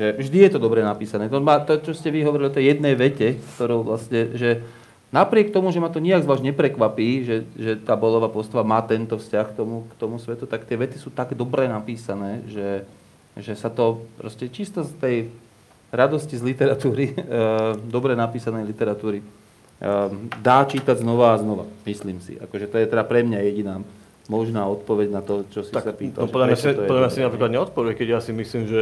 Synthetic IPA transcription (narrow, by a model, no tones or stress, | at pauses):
ʒɛvʒd̪ijɛt̪ɔd̪ɔbɾɛnapiːsanɛːt̪ɔmaːt̪ɔt͡ʃɔscɛʋiɦɔʋɔɾilʎɔt̪ɛjjɛd̪nɛjʋɛcɛskt̪ɔɾɔʊʋlasɲɛʒɛ | napɾɪɛk̚t̪ɔmuʒɛmat̪ɔɲiaɡzʋaːzɲɛpɾɛkʋapiːʒɛʒɛt̪aːbɔlɔʋapɔst̪aʋamaːt̪ɛnt̪ɔfscaxkt̪ɔmukt̪ɔmusʋɛt̪ut̪akt̪ɪɛʋɛt̪isuːt̪aɡd̪ɔbɾɛnapiːsanɛːʒɛ | ʒɛsat̪ɔpɾɔ̰scɛt͡ʃist̪ɔst̪ɛj | ɾad̪ɔscizlit̪ɛɾat̪uːɾi | d̪ɔbɾɛnapiːsanɛjlit̪ɛɾat̪uːɾi | d̪aːt͡ʃiːt̪aɟznɔʋaːznɔʋa̰misliːmsḭʔa̰kɔʒɛt̪ɔjɛt̪ɛd̪apɾɛmɲajɛɟinaː | mɔʒnaːɔt̪pɔʋɛɟnat̪ɔt͡ʃɔsisapiːt̪alʒɛɔd̪lamast̪ɔɔd̪lamɲjasinapɾiklad̪ɲɛɔt̪̚pɔʋuɛckɛɟjaːsimisliːmʒɛ